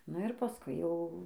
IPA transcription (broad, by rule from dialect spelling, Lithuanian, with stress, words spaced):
nʊ ɪr pɐˈskʊɪ jɛʊ